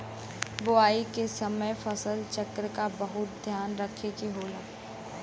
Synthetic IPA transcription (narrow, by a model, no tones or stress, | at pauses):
bʊaːikesɐməjfɐsəlt͡ʃɐkɾəkabɐɦʊt̪̚d̪ʱjaːnɾɐkʰekiɦoːlaː